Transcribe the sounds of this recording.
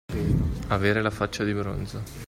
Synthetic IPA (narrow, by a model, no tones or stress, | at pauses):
aveːɾelafat͡ʃːad̪ibɾo̰nzo